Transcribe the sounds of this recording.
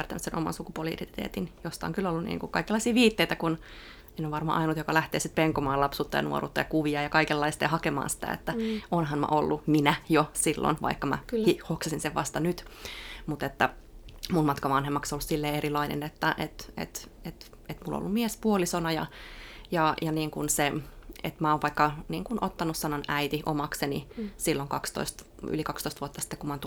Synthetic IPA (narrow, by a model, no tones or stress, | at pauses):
ært̪ænyssenʔomɑ̰nsukupuoliḭrit̪t̪ḛːt̪injost̪ɑo̰ŋkylːolːunḭːŋkukɑikelːɑisiːʋiːt̪ːeit̪ækun | enːoʋɑrmɑ̰ʔɑinut̪jokɑlæht̪ḛːsit̪peŋkomɑːlɑpsuːt̪ːɑjɑ̰nuo̰rṵt̪ːɑjɑkuʋiɑjɑkɑikelːɑist̪ɑjɑhɑkemɑ̰ːnsi̥t̪æ̰ḛt̪ːæonɦɑnmæ̰ʔolːuminæjosilːo̰nʋɑ̰ikːɑmæ̰ihoksɑsinseʋʋɑst̪ɑnyt̪mut̪et̪ːæmunmɑt̪kɑʋɑnhemːɑksolːussilːeːerilɑinḛnet̪ːæʔet̪ḛt̪et̪ | et̪mulːo̰lːummiespuolisonɑjɑ̰jɑjɑniːŋkunseḛt̪mæoːʋʋɑikːɑniːŋkunʔot̪ːɑnussɑnonæit̪iʔo̰mɑksenḭsilːoŋkɑkst̪o̰ist̪ | y̰likɑkst̪oist̪ʋuot̪ːɑsi̥t̪ːekumɑnt̪